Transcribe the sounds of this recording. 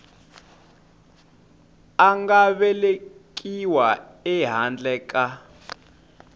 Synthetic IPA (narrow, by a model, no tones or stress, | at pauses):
aŋɡaɓɛlek̬ʼiwaɛɦand͡ɮɛkʼa